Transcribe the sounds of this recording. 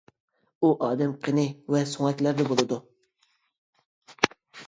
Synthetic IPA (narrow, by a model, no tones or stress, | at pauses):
uʔɑːd̪ɛmqʰənɪvɛsuŋɛt̪ʲlæɾd̪ɛbolˠɨd̪u